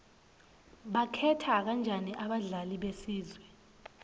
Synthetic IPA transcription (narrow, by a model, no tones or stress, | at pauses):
ɓakʰɛtʰak̬and͡ʒʱaniʔaɓaɮaliɓesiːzwɛ